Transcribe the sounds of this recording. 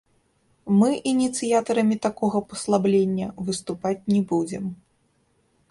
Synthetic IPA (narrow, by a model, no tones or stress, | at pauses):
mɨʔinʲit̪sɨjat̪ɐɾɐmʲit̪akɔɣɐpɐ̥slˠablʲenʲːɐvɨst̪upat͡sʲnʲɛbud͡zʲɛm